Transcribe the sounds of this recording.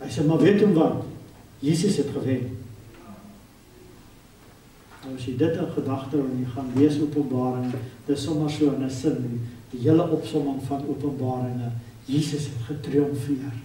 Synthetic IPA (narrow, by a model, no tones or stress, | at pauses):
ɦɛjseːmɐviətumvɐt | jiːsəsɦɛtχəvɛn | nɐwɐsjɛjdətənχədɐχtəɛnjɛjχɐnviəsuəpənbɑːɾəŋd̥əsɔmɐrsuəənəsəndid̥iɦiələʔɔpsɔməŋfɐnuəpənbɑːɾəŋə | jiːsəsɦɛtχətriɔmfiər